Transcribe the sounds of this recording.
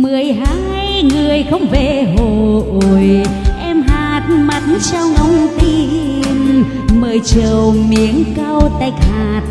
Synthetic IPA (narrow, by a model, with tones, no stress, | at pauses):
mɨ˨˩əjɦaː˨˦ŋha˧jŋɨ˨˩əjxə˧wŋ͡mve˧˨˩ɦo˧˩ʔo˧˨˩jʔɛ˧mɦaː˨˩t̚ma˨˩t̚n˦t͡ɕa˧wŋə˧wŋ͡mt̪i˧ | m | məː˨˩jt͡ɕəː˨˩wmi˧˦əŋka˧wt̪a˨˧˩jk̚haː˨˩t̚